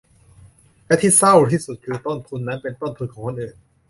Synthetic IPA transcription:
lɛ˦˥t̪ʰiː˥˩sa˥˩wt̪ʰiː˥˩su˨˩t̪̚kʰɯː˧t̪o˥˩nt̪ʰu˧nːa˦˥npe˧nt̪o˥˩nt̪ʰu˧nkʰɔː˨˩˦ŋkʰo˧˨nʔɯː˨˩n

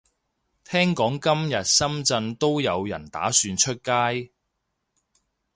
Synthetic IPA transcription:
t̪ʰɛː˥ŋkɔː˨˥ŋkɐ˥mjɐ˨t̚sɐ˥mt͡sɐ˧nt̪o˥wjɐ˨˧wjɐ̰˨˩nt̪a̰ː˨˥syː˧nt͡ʃʰɵ˥t̚kaː˥j

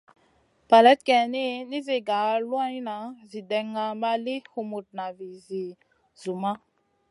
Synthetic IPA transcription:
pa˨lɛ˦t̪̚kɛ˨ni˦ni˦ze˨ɡa˨˦lwa˦na˨˦zi˨dɛ˨ŋa˨ma˦li˦hu˨mu˨t̚na˨vi˨zi˨ | zu˨ma˦

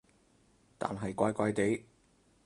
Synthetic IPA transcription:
t̪a̰ː˨nɦɐ˨jkʷaː˧jkʷaː˧jt̪e˨˥j

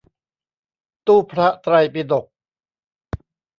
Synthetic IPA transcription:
t̪uː˥˩pʰɾa˦˥ʔt̪ɾa˧jpi˧d̪o˨˩k̚

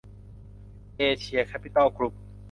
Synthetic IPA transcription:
ʔeː˧t͡ɕʰi˧˩ɐkʰa˦˥pʰi˧˩t̪a˥˩wkʰlu˦˥p̚

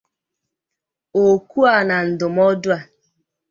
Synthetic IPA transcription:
o˨ku˦a˨na˨n̩˨dʊ˨mɔ˦dʊ˦a˨

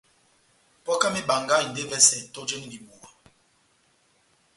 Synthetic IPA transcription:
pɔ˦ka˦mi˦ba˨ŋɡa˦i˨n̩˨de˦vɛ˦sɛ˨to˦d͡ʒe˦ŋ˦˨li˨bu˨ɔ˨

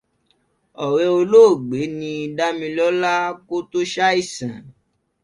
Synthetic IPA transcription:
ɔ˨ɾe˧˦o˧lo˦˨ɡ͡be˨˦nĩ˧i˧da˦mĩ˧lɔ˦la˦ko˦to˦ʃa˦i˦˨sã˨

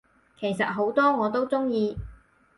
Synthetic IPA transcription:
kʰe˨˩jsɐ˨t̚ɦo˨˥wt̪ɔː˥ŋɔː˨˧t̪o˥wt͡sʊ˥ŋjiː˧

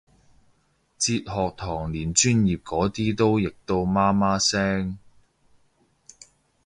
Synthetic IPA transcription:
t͡siː˧t̚hɔː˨k̚t̪ʰɔː˨˩ŋliː˨˩nt͡ʃyː˥njiː˨p̚kɔː˨˥t̪iː˥t̪o˥wjɪ˨k̚t̪o˧wmaː˥maː˥sɛː˥ŋ

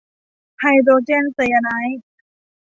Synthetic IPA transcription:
hʰa˧jd̪oː˧t͡ɕe˥˨nse˧a˧na˧˦˥j

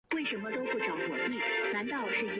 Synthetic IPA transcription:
we˥˩ɪʂə˧˥nmə˧t̪o˥ʊxʈ͡ʂɑ˧˥xwɔ˨˩t̪wi˥˩na˧˥nt̪ɑ˥˧ʊʂɻ̩˥˩i˧˥

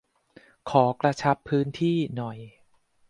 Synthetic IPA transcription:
kʰɔː˩˦kɾa˧t͡ɕʰa˦˥pʰːɯː˦˥nt̪ʰiː˥˩nɔ˨˩j

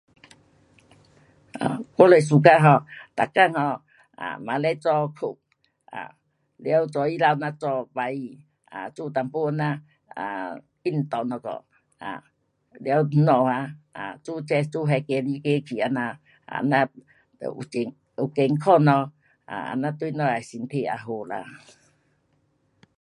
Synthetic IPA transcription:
a̰˨kɔ˦le˨s̬u˨ka˧˦ɦɔ˧˨t̪a˨kːa˧ŋhɔ˧˨ | a̰˨mã̰˨le˦t͡sɔ˧kʰu˨˩k̚ | ʔa̰˨ | lja˧˦wu˧t͡sɔ˧i˦la˧˨wnã˧t͡sɔ˧ba˧˦i˧ | a̰˨t͡su˧t̪a˨mpu˦a˧nã˧ | a˨ | i˦˧˩n˨t̪ɔ˨nɔ˧kɔ̰˨ | a̰˨ | lja˧˦˧nɔ˧˨a˧a˨t͡su˦˨t͡sɛ˧t͡su˦˨ɦɛ˧ke˧li˧˦ke˧˦kʰi˨a˨˧na˧ | a̰˧˨nã̰˧˦˨ | ṵ˨e˨ŋ | u˨ke˧ŋkʰɔ˧˨nɔ̃˧ | a̰˨a̰˨˧nã˧t̪u˧˦nɔ̃˧˨a˨si˧nt̪ʰe˧˨a̰˧˨ɦo˧la̰˧˨

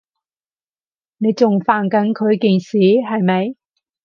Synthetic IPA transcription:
ne˨˧jt͡sʊ˨ŋfaː˨˩nkɐ˨˥nkʰɵ˨˧ɥki˨ŋsiː˨˥ɦɐ˨jmɐ˨˧j

